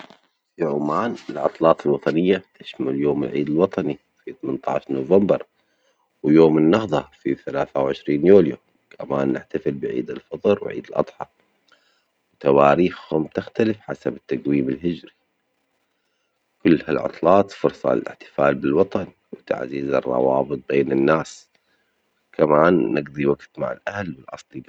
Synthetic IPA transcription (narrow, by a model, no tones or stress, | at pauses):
fiʕʊmaːnɪlʕɑ̰t̪ˤlɑːt̪ˤɪlwɑt̪ˤɑnɪjːat̪aʃmaljoːmɪ̰lʕiːd̪ɪlwɑt̪ˤɑni | fiθmɪnt̪ˤɑ̰ːʃnʊvambɑɾˤ | wjoːmɪnːɑhðˤɑfiθalaːθawʕɪʃɾiːnjuːlju | kʰamaːnːɪħt̪afɪlbɪʕḭːd̪ɪlfɑt̪ˤɾwʕḭːd̪ɪlʔɑ̰d̪ˤħɑ | wt̪awaːɾiːxhʊmt̪ɪxt̪alɪfħasabɪt̪ːaɡwiːmɪlɦɪd͡ʒɾi | kʊlːhalʕʊ̰t̪ˤlɑːt̪fʊɾsˤɑ̰lɪ̰ħt̪ɪ̥faːlbɪlwɑt̪ˤɑn | wt̪a̰ʕziːzɨ̰rˤːɑ̰wɑːbɨt̪̚ˤbeːnɪnːaːs | kʰamaːnːɪɡd̪ˤiwaɡt̪ma̰ʕɪ̰lʔahlwɪlʔɑ̰sˤlib